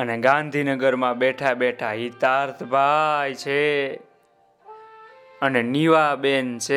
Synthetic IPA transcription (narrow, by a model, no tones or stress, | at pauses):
əneɡãnd̪ʱinəɡəɾmãbɛʈʰabɛʈʰaɦit̪aɾt̪ʰbʱajt͡ʃʰe | əneniʋabent͡ʃʰe